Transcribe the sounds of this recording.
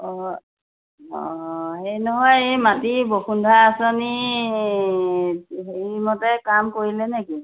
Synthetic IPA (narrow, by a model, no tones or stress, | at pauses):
ɔ | ɔ̰ɦejnɔɦɔjejmatiboxundʱaasɔni | ɦejmɔtɛkamkoɹilɛnɛki